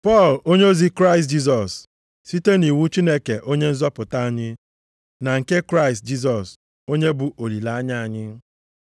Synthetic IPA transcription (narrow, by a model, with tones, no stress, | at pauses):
pɔ˦˨lo˦ɲ˦o˦zi˦kɾa˦˨ɪ˨std͡ʒi˦s̬ɔ˨s | si˦te˦ni˨wu˦t͡ʃi˦ne˦ke˨ʔo˦ɲe˦n̩˦zɔ˦pʊ˨ta˦a˦˨ɲɪ˦ | na˨ŋ̩˨ke˦kɾa˦ɪ˨st̚d͡ʒi˦s̬ɔ˨s | o˦ɲe˦bʊ˨ʔo˨li˨la˨˦a˦ɲa˦a˨ɲɪ˦